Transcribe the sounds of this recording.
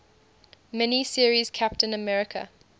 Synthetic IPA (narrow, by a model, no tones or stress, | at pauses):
mɛnisiəɹiz̥kʰap̚tə̃nəmɛɹɪkʰə̰